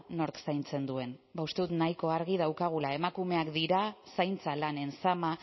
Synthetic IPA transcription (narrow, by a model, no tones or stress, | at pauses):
no̞ɾksajnt͡se̞nd̪ue̞nbaust̪e̞ðut̪najko̞aɾɣ̞ið̞awkaɣ̞ulae̞makume̞akd̪iɾasajnt͡salane̞nsama